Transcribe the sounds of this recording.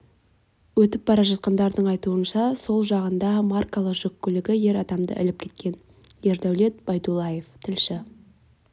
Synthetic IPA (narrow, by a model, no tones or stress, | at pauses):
wɵt̪ɪp̚bɑɾɑʒɑt̪̚qɑnd̪ɑɾd̪əɴɑjt̪uənʃɑso̞lˠʒɑʁənd̪ɑmarkalˠəqʒɵkʲːʏlɪɡʲɪje̞ɾɑd̪ɑmd̪ə̰ʔɪ̰lɪp̚kʲʰe̞t̪̚kʲe̞n | je̞ɾd̪æwle̞t̪̚b̥ɑjd̪ulˠɑje̞ft̪ʰɪlʃɪ